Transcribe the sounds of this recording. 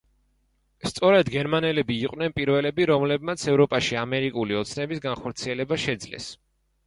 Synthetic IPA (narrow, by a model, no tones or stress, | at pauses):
st̪sʼɔɾad̪ɡɛɾmanɛlɛbiːqʼnɛnpʼiɾvɛlɛbiɾɔmlɛb̚mat̪sʰɛvɾɔpʼaʃiamɛɾikʼuliɔt̪sʰnɛbisɡanχɔɾt̪sʰiɛlɛbaʃɛd̪zlɛ̰s